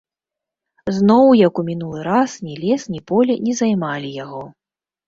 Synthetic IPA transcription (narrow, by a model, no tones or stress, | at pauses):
znɔwjɐkumʲinulˠɨɾasnʲilʲɛsnʲipɔlʲɛnʲɛzajmalʲijaɣɔ